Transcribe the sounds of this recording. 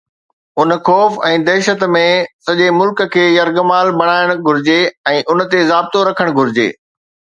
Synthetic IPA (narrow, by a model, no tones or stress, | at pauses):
ʊnxɔːfɛ̃ːd̪ɛːʃət̪mẽsɐʄemʊlkə̆kʰeːjɐɾɡmaːlbɐɽ̃aːɪəɽ̃ɡʱʊɾɪd͡ʑeɛ̃ːʔʊnt̪ezaːb̚t̪oɾɐkʰəɽ̃ɡʱʊɾɪd͡ʑḛː